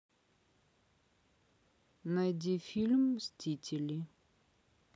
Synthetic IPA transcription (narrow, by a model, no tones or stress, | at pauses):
najdʲifʲilʲmsʲtʲitʲɪlʲi